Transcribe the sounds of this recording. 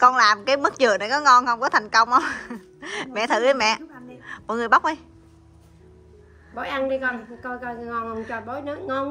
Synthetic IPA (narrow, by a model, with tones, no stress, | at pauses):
kɔ˧nlaː˨˩mkaː˨˦jmɨ˦˥k̚t͡ɕɨ˨˩əna˨˩jkɔ˨˦ŋɔ˧nhə˧wŋ͡mkɔ˨˦t̪ʰa˨˩jŋ̟kə˧wŋ͡mʔa˧˦wŋ͡m | mɛ̰˧˨t̪ʰɨ˨˧˩ɗə˨˧˦jmɛ̰˧˨mɔ̰˧˨ŋɨ˨˩əjɓa˦˥wk͡p̚ʔa˧˦j | ɓo˨˦jʔa˧nɗi˧kɔ˧nkɔ˧kɔ˧ŋɔ˧nho˧wŋ͡mt͡ɕɔ˧˩ɓo˨˦jnɨ˦˥nɔ˨˧